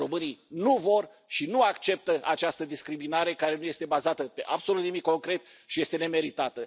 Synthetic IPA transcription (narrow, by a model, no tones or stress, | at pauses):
o̞mɨninuvo̞r | ʃinuakt͡ʃe̞p̚t̪əʔat͡ʃast̪əd̪iskɾiminaɾe̞kaɾe̞nuje̞st̪e̞bazat̪əpe̞ʔabso̞lut̪nimikko̞ŋkɾe̞t̪̚ | ʃije̞st̪e̞ne̞me̞ɾit̪at̪ə